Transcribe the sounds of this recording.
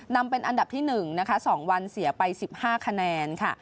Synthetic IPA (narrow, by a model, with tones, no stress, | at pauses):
na˧mpe˧nʔa˧nda˨˩p̚t̪ʰiː˥˩nɯ˨˩ŋna˦˥kʰa˦˥sɔː˩˦ŋwa˧nsi˩˦ɐpa˧jsi˨˩p̚haː˥˩kʰa˧nɛː˧nkʰa˥˩